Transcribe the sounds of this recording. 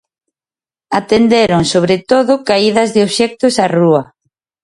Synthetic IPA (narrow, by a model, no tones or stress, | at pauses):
at̪end̪eɾʊŋsoβɾet̪oðʊkaiðɐzðɪoβʃɛk̚t̪osaruɐ